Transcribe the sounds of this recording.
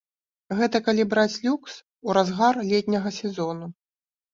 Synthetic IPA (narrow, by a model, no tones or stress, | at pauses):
ɣɛt̪ɐkalʲibɾat͡sʲlʲuks | uɾazɣarlʲɛt̪ʲnʲɐɣɐsʲɛzɔnu